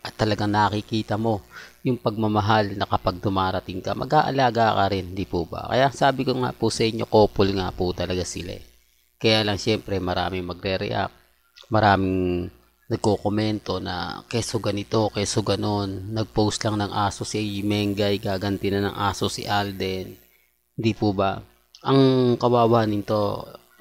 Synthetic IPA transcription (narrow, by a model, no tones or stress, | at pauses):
ʔɐt̪ːɐlɐɡaŋnɐɐkɪkiːt̪ɐmo̞jʊŋpɐɡ̚mɐmɐɦalnɐkɐpaɡ̚d̪ʊmaːɾɐt̪ɪŋkɐ̰mɐ̰ɡʔaːʔɐ̰laːɡakɐɾɪnhd̪ipubɐ̰kɐ̰jaʔsaːbɪkoŋa̰pusɐʔɪɲːo̞̰ko̞ːpolŋa̰put̪ɐlɐɡasɪla̰ | kɐjaːlɐŋʃɛmpɾɛmɐɾa̰ːmɪŋmɐɡɾɛɾɛ̰ʔa̰k̚ | mɐɾaːmɪŋ | nɐɡ̚kokomɛnt̪o̞nɐ̰kɛsoɡɐnɪt̪o̞kɛsoɡɐno̞nːɐɡ̚powst̪lɐŋnɐŋʔaːso̞simɛŋɡɐjɡaːɡɐnt̪ɪnɐnɐŋʔa̰ːsosḭʔald̪ɛn | hɪnd̪ipubɐ | ʔɐŋkɐwaːwaːnɪnt̪o̞